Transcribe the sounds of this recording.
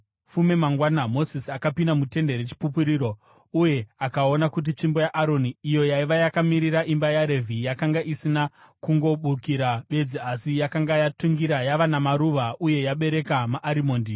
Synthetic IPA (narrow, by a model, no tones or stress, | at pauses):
fume̞maŋɡwanamo̞sisiakapindamute̞nde̞ɾet͡ʃi̥pupuɾiːɾo̞ | uje̞akao̞nakut̬it͡ʃimbo̞jaʔaɾo̞niːjo̞jaiʋajakamiɾiɾaʔimbajaɾe̞vʱijakaŋɡaʔisina | kuŋɡo̞ɓukiɾaɓe̞d͡ziasijakaŋɡajatuŋɡiɾajaʋanamaɾuʋaʔuje̞jaɓe̞ɾe̞kamaʔːɾimo̞ːndi